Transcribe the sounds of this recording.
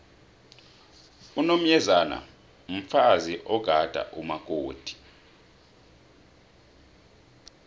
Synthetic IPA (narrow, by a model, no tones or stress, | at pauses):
unom̩jɛzana̰ | m̩faziʔɔɡ̥ʱad̥ʱa̰ʔumak̬ʼoːd̥ʱi̥